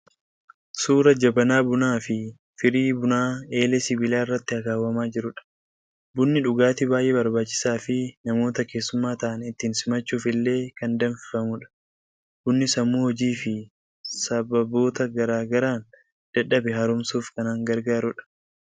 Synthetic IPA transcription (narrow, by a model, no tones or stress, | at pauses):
suːɾɐd͡ʒɐbɐnaːbʊnaːfɪ | fɪɾiːbʊnaːe̞ːlesɪbɪlaːɪrːɐt̪ːɪɐkaːwɐmaːd͡ʒɪɾʊᶑɐ̥ | bʊnːɪᶑʊɡaːt̪ɪbaːjʔeːbɐɾbaːt͡ʃːɪ̥saːfɪnɐmo̞ːt̪ɐke̞ːsːʊmːaːt̪ɐʔɐnɪt̪ːiːnsɪmɐt͡ʃːuːfɪlːe̞ːkɐnd̪ɐnfɪfɐmʊᶑɐ̥ | bʊnːɪsɐmːuːhɔd͡ʒiːfɪ | sɐbɐbo̞ːt̪ɐɡɐɾaːɡɐɾaːn | d̪̥ɐᶑɐbɛɦɐɾʊmsuːfkɐnaːŋɡɐɾɡaːɾʊᶑɐ̥